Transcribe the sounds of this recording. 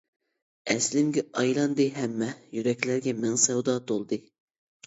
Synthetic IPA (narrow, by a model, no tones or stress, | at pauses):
ɛslɪmɡʲɛɑjlˠɑnd̪ɨɦɛmːɛjyɾɛkʲlæɾɡʲɛmɪŋsɛwd̪ɑːt̪ʰolˠd̪ɨ